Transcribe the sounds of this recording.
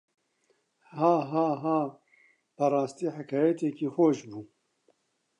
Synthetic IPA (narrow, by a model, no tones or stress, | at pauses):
haːɦɑːɦɑː | pɐɾɑːst̪iːħakʰaːjɛt̪ekiːxoːʃbuː